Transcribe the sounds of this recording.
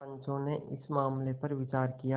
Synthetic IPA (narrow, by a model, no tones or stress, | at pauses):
ɐ̃ɲt͡ʃõneʔɪsmaːmlepɐɾʋɪt͡ʃaːɾkija